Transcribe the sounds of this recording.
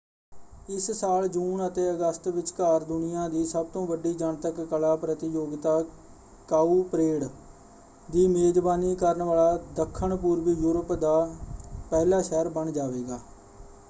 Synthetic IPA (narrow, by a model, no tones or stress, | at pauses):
ɪssaːld͡ʒuːnət̪eːəɡəst̪ʋɪt͡ʃkaːɾd̪ʊnɪjãːd̪iːsəb̚t̪õːʋəɖiːd͡ʒəɳt̪əkːəlaːpɾət̪ɪjoːɡt̪aː | kaːuːpɾeːɽ | d̪iːmeːd̪baːniːkəɾəɳʋaːɭaːd̪əkʰːəɳpuːɾʋiːjuːɾəpd̪aːpɛːlaːʃɛːɾbəɳd͡ʒaːʋeːɡaː